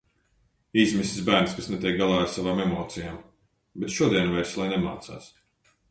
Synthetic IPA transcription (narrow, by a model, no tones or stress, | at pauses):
iːsmisi̥sbæːɾnskasnet̪ʲiɛk̚ɡalˠaːaɾsavaːmemɔːt̪sijaːm | bɛt̪ʃuɔd̪iɛnuvɛɾslˠajnɛma̰ːt̪sa̰ːs